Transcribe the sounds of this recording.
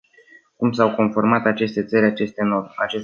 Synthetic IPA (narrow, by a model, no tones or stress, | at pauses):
kumsawko̞nfo̞rmat̪at͡ʃe̞st̪e̞t̪səɾʲat͡ʃe̞st̪enoat͡ʃes